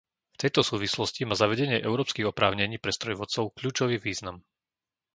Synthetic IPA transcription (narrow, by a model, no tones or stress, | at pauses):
ft̪ɛjt̪ɔsuːʋislɔscimaːzaʋɛɟɛɲɪɛʔɛʊɾɔːpskiɣɔpɾaːʊɲɛɲiːpɾɛst̪ɾɔjʋɔt̪t͡sɔʊkʎuːt͡ʃɔʋiːʋiːznam